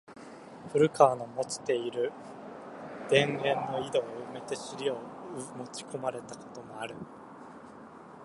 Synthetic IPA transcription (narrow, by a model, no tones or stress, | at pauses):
ɸɯ̟ɾɯ̟kʰaːno̞mo̞t͡ɕi̥t̪e̞iɾɯ̟ | d̪̥ẽ̞ŋẽ̞nːo̞id̪o̞ɯme̞t̪e̞ɕiɾʲiomo̞t͡ɕi̥kʰo̞maɾe̞t̪ako̞̥t̪o̞moaɾɯ̟